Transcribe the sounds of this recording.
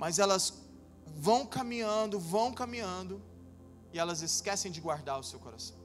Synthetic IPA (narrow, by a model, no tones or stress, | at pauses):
mazɛlɐs | vɐ̃w̃kamĩɲɐ̃nd̪ʊvɐ̃w̃kamĩɲɐ̃nd̪ʊ | ɪɛlɐzɪskɛsẽj̃d͡ʒɪɡwaɾd̪aɾʊsewkoɾa̰sɐ̥̃w̃